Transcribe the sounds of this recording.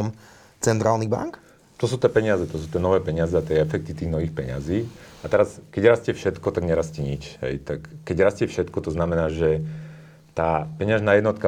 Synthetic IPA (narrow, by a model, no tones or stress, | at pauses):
m | t͡sɛnt̪ɾaːlniɣba̰ŋk | t̪ɔsuːt̪iɛpɛɲɪazɛt̪ɔsuːt̪ɪɛnɔʋɛːpɛɲɪazɛat̪iɛɛfɛk̚t̪it̪iːɣnɔʋiːxpɛɲɪa̰ziːat̪ɛɾaskɛɟɾascɛfʃɛt̪kɔt̪aɡɲɛɾascɛɲit͡ʃɦɛ̰jt̪akːɛɟɾascɛfʃɛt̪kɔt̪ɔznamɛnaːʒɛ | t̪aːpɛɲɪaʒnaːjɛd̪nɔt̪ka